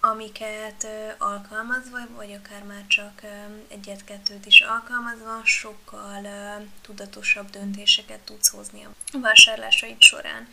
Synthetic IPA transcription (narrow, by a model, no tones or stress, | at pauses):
ɒmikɛt̪ːɒlkɒlmɒzvɒvɒɟɒkaːrmaːrt͡ʃɒkɛ̰ɟːɛt̪kɛt̪ːøːt̪iʃɒlkɒlmɒzvɒʃo̞kːɒlt̪ud̪ɒt̪o̞ʃɒbd̪ønt̪eːʃɛkɛt̪ːut̪sho̞zniɒ̰vaːʃaːrla̰ːʃɒit̪ʃo̞̰ɾa̰ːn